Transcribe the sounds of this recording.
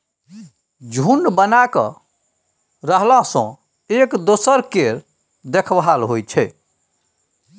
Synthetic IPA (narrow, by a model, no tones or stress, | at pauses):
d͡ʒʱunbənakə̰ | ɾəɦlãsɔ̰̃ | ekd̪osəɾkeɾ | d̪ekʰbɦalɦojt͡ʃʰɛ